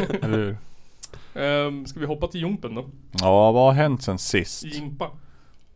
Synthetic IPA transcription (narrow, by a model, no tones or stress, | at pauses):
ɛlʉːɾ | skavɪɦɔpːat̪ʰɪljʉmpənd̪ɔjɑːvahaɾɦɛnt̪sɛnsɪst̪j̪ɪmpːa